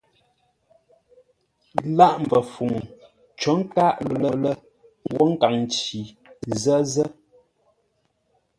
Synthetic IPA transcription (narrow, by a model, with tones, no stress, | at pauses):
la˦ʔm˨və˨fu˨ŋ | t͡ʃɔ˨˦ŋ̩˦ka˦ʔllə˨lə˦ | wɔ˦ŋ̩˦ka˨ŋn˨t͡ʃi˨ | zə˦zə˦